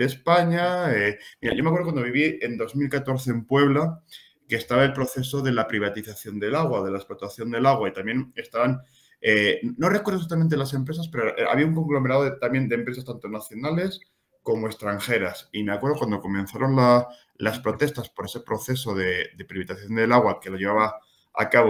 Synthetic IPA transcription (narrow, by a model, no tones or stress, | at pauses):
despaɲaemiɾa̰ʝomekweðkwand̪o̞βiβ̞ie̞nd̪o̞zmilkat̪o̞ɾθe̞ːmpwe̞β̞la | keːst̪aβaelpɾo̞θe̞so̞ðe̞lapɾiβ̞at̪iθaθjo̞nd̪e̞laɣ̞waðelaesplot̪aθjo̞nd̪e̞laɣwait̪amje̞ne̞st̪aβan | eno̞rekweðs̬at̪ament̪elas̬e̞mpɾe̞saspe̞ɾoʔa̰βiauŋko̞ŋɡlo̞meɾaðoet̪amje̞nd̪empɾesast̪ant̪o̞naθjo̞nale̞s | ko̞moe̞st̪ɾaŋxe̞ɾasimeakwe̞ɾð̞o̞kwand̪o̞ko̞mẽ̞nθaɾo̞nla | laspɾo̞t̪e̞st̪aspo̞ɾese̞pɾo̞θe̞so̞ðe̞d̪e̞pɾiβit̪aθjo̞nd̪e̞laɣ̞wake̞lo̞ʝe̞β̞aβa | a̰kaβo